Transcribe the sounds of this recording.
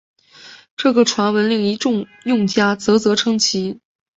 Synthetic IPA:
ʈ͡ʂɤ˥˩ɡə˩ʈ͡ʂʰwa˧˥nwə˧˥nli˥˩ŋi˧˥ʈ͡ʂʊ˥˧ŋ | jʊ˥˩ŋt͡ɕja˥t͡sɤ˧˥t͡sɤ˧˥ʈ͡ʂʰɤ˥ŋt͡ɕʰi˧˥

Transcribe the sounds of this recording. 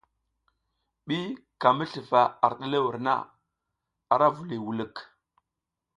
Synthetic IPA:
ɓi˦ka˨mə˦ɬə˨va˨a˨ɾɗə˦le˦wu˨ɾna̰˦˨ | a˨ɾa˦vu˨li˨wu˨lə˦˨k

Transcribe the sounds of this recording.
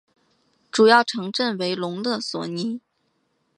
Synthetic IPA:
ʈ͡ʂu˨˩jɑ˥˩ʊʈ͡ʂʰɤ˧˥ŋʈ͡ʂə˥˩nwe˧˥ɪlʊ˧˥ŋlɤ˥˩swɔ˨˩ni˧˥˦

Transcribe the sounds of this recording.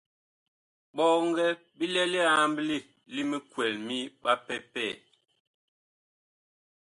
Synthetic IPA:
ɓɔ˦˨ŋ˦ɡɛ˦ | bi˦lɛ˦lɛ˦a˨mbli˦˨ | li˦mə˦kwɛ˨lmi˦ɓa˦pɛ˦pɛ˦˨

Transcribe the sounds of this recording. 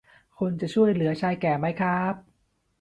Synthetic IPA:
kʰo˧nt͡ɕa˨˩t͡ɕʰu˥˩əjlɯ˩˦ɐt͡ɕʰaː˧jkɛː˨˩ma˦˥jkʰɾa˦˥p̚

